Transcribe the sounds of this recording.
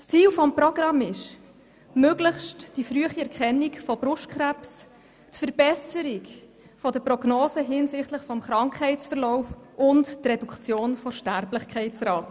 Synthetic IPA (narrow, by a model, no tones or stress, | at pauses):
st͡siːlfɔmprɔɡ̥rɑmːɪʃ | møɡ̥lɪχʃtd̥ifɾyəχiɛɾkʰχɛnːikfɔbɾʊʃt̚kχɾæps | tfəɾbɛsəɾik | fɔdəpɾɔɡnoːsəɦɪnsɪχtləχfɔmχɾɑŋkχɛɪtt͡sfəɾlɔʊfʔʊnttrɛdukχt͡sjoːnfɔʃtæɾblɪχkʰɛɪt͡sɾɑːt